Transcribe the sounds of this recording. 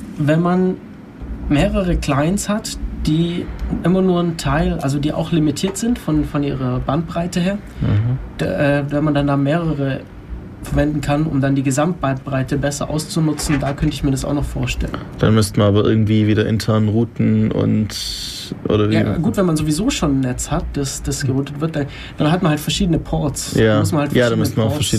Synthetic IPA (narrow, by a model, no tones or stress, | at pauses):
vɛnman | meːʁəʁəkl̥aɪnshatd̥iːʔɪmɐnuːɐntʰaɪlʔalzodiːʔa̰ʊxlimitʰiːɐtz̥ɪntfɔnfɔnʔḭːʁ̞ɐbant̚b̥ʁ̥aɪtəheːɐ | d̥ʔɛːvɛnmandandaːmeːʁəʁə | fɛɐvɛndn̩kʰanʊ̰mdandiːɡəzamt̚b̥ant̚b̥ʁaɪtəbɛsɐ̰ʔa̰ʊst͡sunʊt͡sn̩daːkʰœntəɪçmiːɐɾasaʊxnɔχfoːɐʃtɛ̰lə̰nd̥anmʏstmanaːbɐʔɪ̰ɐɡŋ̩tv̥iːviːdɐʔɪ̰ntʰɛɐnʁuːtn̩ʊ̰nt | ʔo̰ːdɐvijaːɡuːtv̥ɛnmanzoːvizoːʃoːnnːɛt͡shatd̥asd̥asɡ̥əʁuːtətv̥ɪɐt̚d̥an | d̥anɦatmanhaltfɛɐʃiːdənəpʰɔɐtsdjaːmʊsmanhaltfjaːdanmʏstmanaʊffɛɐʃiː